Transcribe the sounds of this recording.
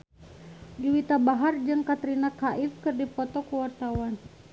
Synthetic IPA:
diwit̪abaɦard͡ʒɨŋkat̪ɾinakaʔifkɨrdipɔt̪ɔkuwart̪awan

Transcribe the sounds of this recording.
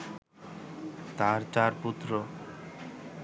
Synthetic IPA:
t̪aɾt͡ʃaɾput̪ːɾo

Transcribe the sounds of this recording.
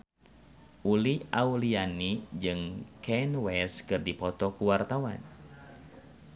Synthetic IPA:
ʔuliʔaulianid͡ʒɨŋkʰɛnwɛskɨrdipɔt̪ɔkuwart̪awa̰n

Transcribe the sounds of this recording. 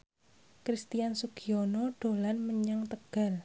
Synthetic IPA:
kɾist̪ijansukionɔɖ̥o̤lanməɲaŋt̪əɡ̥a̤l

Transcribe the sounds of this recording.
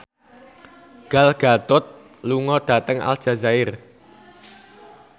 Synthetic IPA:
ɡ̥alɡ̥a̤t̪ʊt̪̚ | luŋɔɖ̥a̤t̪əŋa̰ld̥ʒ̥a̤zaɪr

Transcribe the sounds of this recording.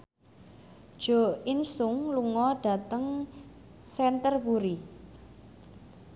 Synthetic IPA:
d̥ʒ̥o̤insʊŋluŋɔɖ̥a̤t̪əŋ | sɛnt̪ərkuɾi

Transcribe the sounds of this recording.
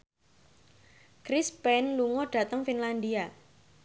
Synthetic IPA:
kɾispɛnluŋɔɖ̥ä̤t̪əŋfinland̪ia

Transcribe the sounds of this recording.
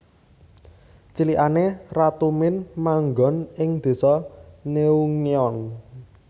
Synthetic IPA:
t͡ʃiliʔanerat̪umɪnmaŋɡɔ̤nɪŋd̪̥e̤sɔneuŋiɔn

